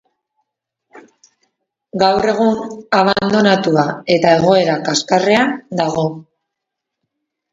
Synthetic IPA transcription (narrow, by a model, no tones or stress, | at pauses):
ɡawre̞ɣ̞unaβ̞and̪o̞nat̪uae̞t̪ae̞ɣ̞o̞e̞ɾakaskare̞and̪aɣ̞o̞